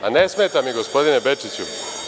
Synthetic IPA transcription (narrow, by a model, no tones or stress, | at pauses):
anesmeːt̪amiɡo̞spo̞d̪inebet͡ʂit͡ɕṵ